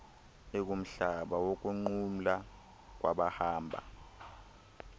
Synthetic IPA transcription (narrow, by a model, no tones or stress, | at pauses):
ek̬ʼum̩ɬaɓawok̬uŋ͡ǃum̩la | k̬wa̰ɓahaːmbʱa̰